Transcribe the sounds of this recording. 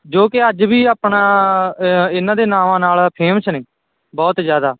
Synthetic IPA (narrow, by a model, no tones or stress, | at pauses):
d͡ʒoːkɪəd͡ʒbiːaːpɳãː | ɪnːãːd̪eːnãːʋãːnaːlpʰeːmt͡ʃneː | bɔːt̪zjaːd̪aː